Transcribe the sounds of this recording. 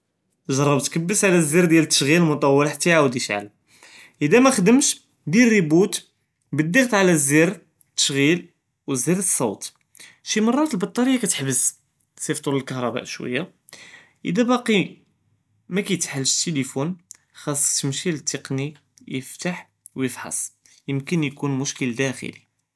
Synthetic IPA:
ʒɑɾˤːɑbt̪kəbːəsʕlæzːiɾd̪jælət̪ːə̥ʃɣilmʊt̪ˤɑwːəlħt̪ːiʕawd̪iʃʕa̰l | ʔəd̪æmæxd̪əmʃ | d̪iːibut̪ | bəd̪ːiɣt̪ʕalæzːiɾ | t̪ːə̥ʃɣil | wəzːiɾt̪sˤːɑwt̪ | ʃimɑrˤːɑt̪əlbɑt̪ˤːɑɾəjːakæt̪ə̥ħbəz | sift̪ˤuɾəlkɑɦɾˤɑbæ̰ʔʃwə̰jːa | ʔə̰d̪æbɑqi | mækæjt̪ħəlːʃt̪ːelifun | xɑsˤːt̪əmʃilət̪ːeqni | jəft̪aħ | wjəfħɑ̰sˤ | jəmkənjkunmʊʃkəld̪æxə̰li

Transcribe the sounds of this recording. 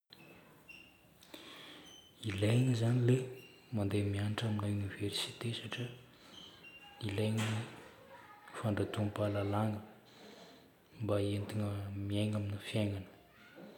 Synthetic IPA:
ilajŋizanile | mand̪emianiʈ͡ʂaminauniversit̪esaʈ͡ʂə | ilajɲi | faɳɖ͡ʐat̪umpalalaŋə | mbaent̪iŋəmiajŋaminəfjaŋanə̥

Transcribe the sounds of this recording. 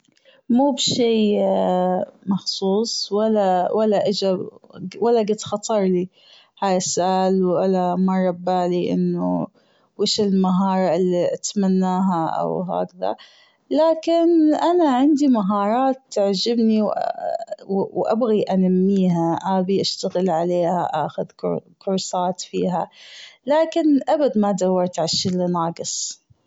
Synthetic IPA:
muːbʃiː | mɑxsˤuːsˤwalːawʔalːaʔɪd͡ʒawalːaɡɪt̪xɑt̪ˤɑɾˤli | haːjasːʊʔaːlwʔalamɑrˤːɑbːaːliʔɪ̰nːʊ | wɪːʃɪlmaɦɑːɾˤɑʔɪlːiʔat̪manːaːɦaʔa̰wɦa̰ːkða̰ | laːkɪnʔanaʕɪnd̪imaɦɑːɾˤɑːt̪ːaʕd͡ʒɪbniw | wwʔabɣiʔanamːiːɦaʔaːbiʔaʃt̪aɣɪlʕaleːha̰ʔaːxʊðkʊ̰kʊɾsˤɑːt̪fiːɦalaːkɪnʔabad̪mad̪awːɑɾˤt̪ʕaʃilinɑːɡɨsˤ

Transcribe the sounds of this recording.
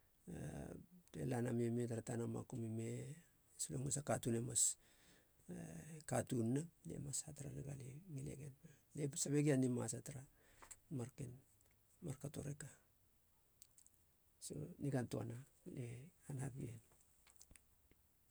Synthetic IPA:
atḛlanamiemetaɾatanoma̰kumime̞ | siloŋesakatune̞mas | katunːale̞̰masataɾa̰naɡa̰liŋile̞̰ɡe̞nalesabeɡianima̰sataɾa | maɾken | maɾkato̞̰ɾe̞ka | so̰niɡantua̰naleanhapien

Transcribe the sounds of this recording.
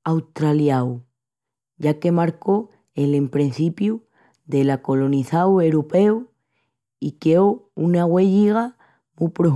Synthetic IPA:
awt̪ɾaljaw | ɟ͡ʝake̞maɾko̞ | elempɾen̟θipju | ðe̞lako̞lo̞niθawe̞ɾope̞w | ikeounaɣwe̞ʎiɣa | mupɾo

